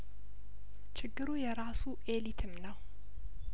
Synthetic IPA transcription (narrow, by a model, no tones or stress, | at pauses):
t͡ʃʰɪɡːɨɾujɛɾasuʔe̞lit̪ʰɨmnəw